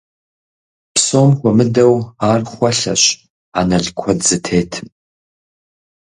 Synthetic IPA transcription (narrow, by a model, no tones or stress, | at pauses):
psoːmxʷɔmɨdɐwaːrχʷɐɬɐ̰ɕ | a̰nɐɮkʷʰɔdzɨtʰeːtʰ